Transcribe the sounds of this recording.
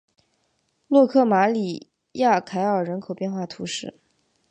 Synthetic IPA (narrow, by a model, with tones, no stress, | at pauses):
lwɔ˥˧kʰɤ˥˩ma˧˥li˨˩ | ja˥˩kʰa˧˥ɪə˞˨˩ɻə˧˥nkʰo˨˩ʊpjɛ˥˧nxwa˥˩t̪ʰu˧˥ʂɻ̩˥˩